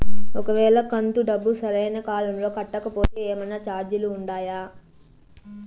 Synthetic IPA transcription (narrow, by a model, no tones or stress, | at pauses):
ɔkɐʋɛːɭɐkɐnt̪uɖɐbːusɐɾɐjnɐkaːlɐmlo̞ːkɐʈːɐkɐpo̞ːt̪eːeːmɐjnɐt͡ʃaːɾd͡ʒuluːɳɖaːjaː